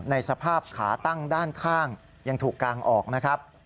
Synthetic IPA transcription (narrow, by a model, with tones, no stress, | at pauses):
na˧jsa˧pʰaː˥˩p̚kʰaː˩˦t̪a˥˩ŋdaː˥˩nkʰaː˥˩ŋ | ja˧ŋt̪ʰuː˨˩kːaː˧ŋʔɔː˨˩k̚na˦˥kʰɾa˦˥p̚